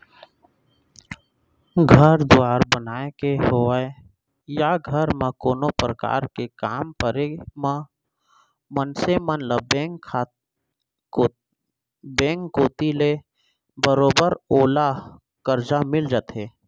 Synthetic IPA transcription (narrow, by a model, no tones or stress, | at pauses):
ɡʱəɾd̪ʊaːɾbənaːekeɦoəe | jaɡʱəɾmãkoːnopɾəka̰ːɾkekaːmpəɾemã | mənsemənləbbekʰː | bẽːŋkːoːt̪ile | bəɾoːbəɾoːla | kəɾd͡ʒamɪld͡ʒat̪ɦeː